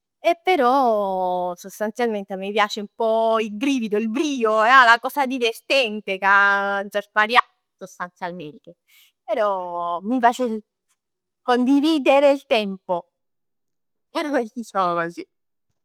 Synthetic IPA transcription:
epːeɾɔ | sost̪ant̪sjalment̪emipjaːt͡ʃeumpɔilɡɾiːvid̪oilbɾiːoɛalakɔːsad̪ivert̪ɛnt̪ekad͡ʒaspaɾja | sost̪ant̪sjalmeːɾike | peɾɔmifaːt͡ʃe | kond̪iviːd̪eɾeilt̪ɛmpo | ɛɾaet̪isɔːvasi

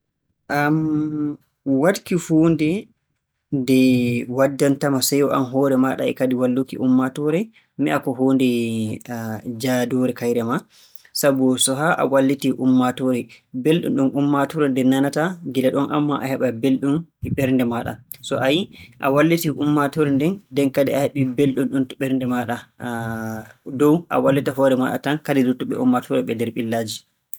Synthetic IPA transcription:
ʔam | wadkihuːndɛ | ndɛwadːantamasajɔʔamɦɔːɾɛmaɗa̰ɛ̰kadiwalːukḭʔumːatɔɾɛ | miakɔɦoːndɛ | d͡ʒadɔɾɛkajɾɛma | sabɔsɔɦaʔa̰walːitiʔumːatɔɾɛbelɗṵnɗumʔumːatɔɾɛndɛnanataɡilaɗɔnʔa̰mːaʔahɛɓabelɗumiɓɛɾndɛmaɗa̰sɔʔajiʔa̰walːitiʔumːatɔɾɛndɛndɛnkadɛahɛɓibelɗunɗuntɔɓɛɾndɛmaɗa | dɔwʔa̰walːitaɦɔɾɛma̰ɗa̰tankadidutːɔɓɛ̰ṵmːatʰɔɾɛɓɛdɛɾɓilːaːd͡ʒi

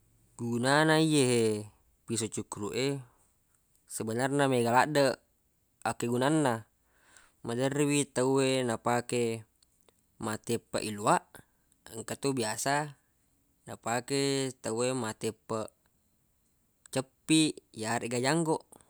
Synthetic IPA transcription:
ɡunanaijeɦe | pisot͡ʃukuɾuʔe | səbənarnameɡalaʔdə | akeɡunanːa | madərwit̪auenapake | mat̪epːa̰ʔiluaʔ | əŋkat̪ubiasa | napaket̪auemat̪epːə | t͡ʃəpːijaɾeʔɡad͡ʒaŋɡoʔ

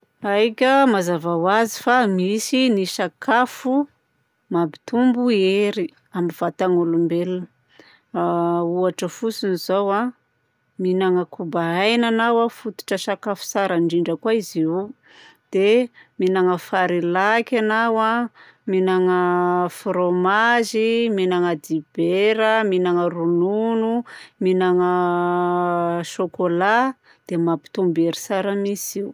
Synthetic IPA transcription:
ajkʲəmazavawazifamisiniʃakʰafu | mabit̪umbueɾi | amiv̥at̪aŋulumbel | uaʈ͡ʂəfusinizowa | minaŋəkʰubaajnanawafut̪u̥ʈ͡ʂəʃakafu̥saɾaɳɖ͡ʐiɳɖ͡ʐəkwaiziu | d̪̥eminaŋəfaɾilakʲanawa | minaŋəfɾomaziminaŋəd̪ib̥eɾəminaŋərununuminaŋə | ʃokola | d̪̥emapi̥t̪umbeɾi̥saɾəmisiw

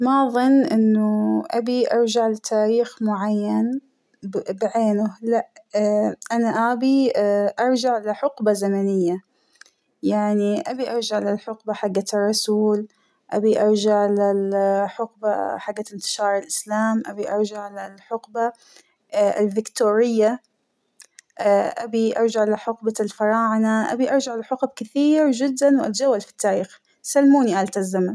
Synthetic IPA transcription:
mɑðˤɨnːʔɪnːʊʔa̰biʔɑ̰ɾˤd͡ʒaʕlɪt̪ʰaːɾiːxmʊʕajːan | bʕeːnʊlaʔ | ʔanaʔabiʔɑɾˤd͡ʒaʕlɪħʊqbazamanɪjːa | jaʕniʔabiʔɑɾˤd͡ʒaʕlɪlħʊqbaħaɡːaɨrˤːɑsuːl | ʔa̰biʔɑɾˤd͡ʒaʕlɪlħʊqbaħaɡːaɪnt̪ɪ̥ʃɑːɾˤɪlʔɪslaːmʔa̰biʔɑɾˤd͡ʒaʕlalħʊqba | ɪðɪkt̪uːɾɪjːa | ʔabiʔɑɾˤd͡ʒaʕlaħʊqbalfɑɾˤɑːʕnaʔa̰biʔɑɾˤd͡ʒaʕlaħʊqb̚kɪθiːɾd͡ʒɪd̪ːanwʔa̰t̪d͡ʒawːalfi̥t̪ːaːɾiːx | salːmuːniʔalt̪azːaman

